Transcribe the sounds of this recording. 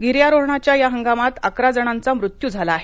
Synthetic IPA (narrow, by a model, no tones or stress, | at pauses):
ɡiɾjaɾoɦɳat͡ɕjajaɦəŋɡamat̪akɾad͡zəɽ̃ant͡samɾut̪juːd͡zʱalaːɦe